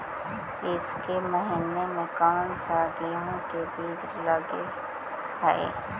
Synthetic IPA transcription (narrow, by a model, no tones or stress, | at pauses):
kɪskeməɦɪnemẽkaːnsaːɡiõkebʱiːd̪ɾlɐɡe | ɦɛ̰ː